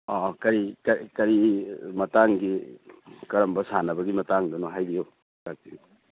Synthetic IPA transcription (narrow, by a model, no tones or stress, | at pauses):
ɔkɐɾikkɐɾimɐtaŋɡi | kɐɾɐmbɐsanɐbɐɡimɐtaŋdɐnoɦajɾio | lak̚tiŋ